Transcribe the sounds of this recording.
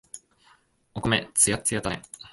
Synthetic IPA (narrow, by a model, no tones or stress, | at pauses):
okomet͡sɨjat͡sɨjat̪ae